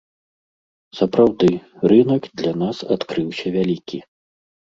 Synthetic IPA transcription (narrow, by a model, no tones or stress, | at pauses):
sɐpɾawd̪ɨrɨnɐkd̪lʲɐnasat̪kɾɨwsʲɐvʲalʲikʲḭ